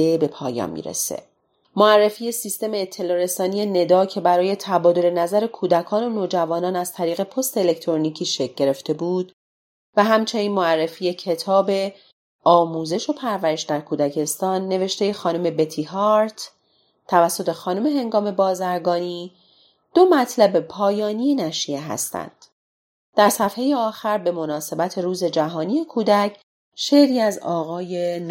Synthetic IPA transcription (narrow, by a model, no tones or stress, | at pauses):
ebe̞pʰɒːjɒ̰nmḭːɾḛsḛ | moærːe̞fiːje̞sist̪e̞meːt̪ʰːe̞lɒːɾe̞sɒːnije̞ne̞d̪ɒːcʰe̞bæɾɒːje̞t̪ʰæbɒːd̪o̞le̞næzæɾe̞kʰuːd̪ækʰɒːno̞noːd͡ʒævɒːnɒːnæz̥t̪ʰæɾiːɣe̞pʰo̞st̪eele̞ct̪ʰɾonicʰiːʃe̞c̚ʰɟe̞ɾe̞ft̪e̞buːd̪̥ | væɦæmt͡ʃʰe̞niːnmoærːe̞fiːje̞cʰe̞t̪ʰɒːbe̞ | ʔɒːmuːze̞ʃo̞pʰæɾvæɾe̞ʃd̪æɾkʰuːd̪æcʰe̞st̪ɒːnːe̞ve̞ʃt̪e̞je̞xɒːnome̞bet̪ʰihɒɾt̪ʰ | t̪ʰævæsːo̞t̪ʰe̞xɒːnome̞ɦe̞ŋɡɒːme̞bɒːzæɾɡɒːniː | d̪̥o̞mæt̪ʰlæbepʰɒːjɒːniːjenæʃieɦæ̰st̪æ̰nd̪̥ | d̪̥æɾsæfhe̞jeɒːxæɾbe̞mo̞nɒːse̞bæt̪ʰe̞ɾuːze̞d͡ʒæɦɒːnije̞kʰuːd̪æcʰ | ʃe̞ɾiːæzɒːɣɒːjen